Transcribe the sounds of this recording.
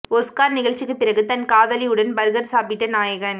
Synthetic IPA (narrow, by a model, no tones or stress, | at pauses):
ɔskaːɾnɪɣɐɭt͡ʃːɪkːɯpːɪrɐɣɯt̪ɐnkaːʋɐlɪjɯɽɐnbɐɾɯɣɐɾsaːpɪʈːɐnaːjɐɣɐn